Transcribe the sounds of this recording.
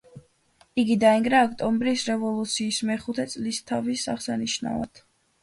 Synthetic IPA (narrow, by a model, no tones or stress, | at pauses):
iɡid̪aɛŋɡɾaːkʰt̪ʼɔmbɾisɾɛvɔlˠut̪sʰiːsmɛχut̪ʰɛt̪sʼlist̪ʰavisaχsaniʃna̰va̰t̪ʰ